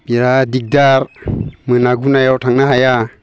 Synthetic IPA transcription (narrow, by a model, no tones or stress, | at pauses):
biɾadik̚daɾmɯnaɡunajawtʰaŋnaɦaja